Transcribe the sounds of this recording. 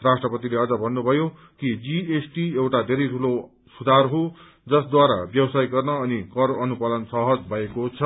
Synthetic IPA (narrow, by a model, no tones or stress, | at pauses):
rasʈrʌpʌt̪ileʌd͡zʌbʱʌnːubʱʌjo | kid͡ziesʈiewʈad̪ʱeɾʌjʈʰulo | sud̪ʱarɦo | d͡zʌsd̪waɾa̰bjʌbsajɡʌrnʌːnikʌɾʌnupʌlʌnsʌɦʌd͡zbʱʌekot͡sʰʌ